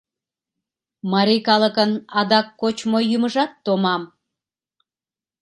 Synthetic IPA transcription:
mɑɾikɑləkənɑd̪ɑkːot͡ɕmojːyməʒɑt̪ːomɑm

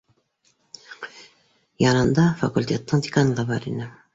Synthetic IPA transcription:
jɑnɯnd̪ɑfakulʲt̪ʲet̪ːɪŋd̪ʲikanlˠɑbɑɾḭnɪ

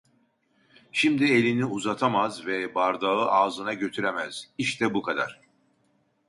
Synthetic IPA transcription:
ʃimd̪ie̞lʲiniuzat̪ʰamazvɛbaɾd̪aɯʔaːzɯnaɟø̞t̪ʰyɾemɛz̥iʃt̪ʰɛbukʰad̪a̰ɾ̥

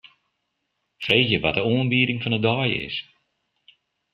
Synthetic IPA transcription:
feːxjəʋatəuənbiːɾɪŋfɔnədɔjɪ̰s

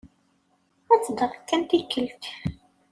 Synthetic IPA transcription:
æt͡sːd̪əʁˤkːænt̪ikːəlt̪

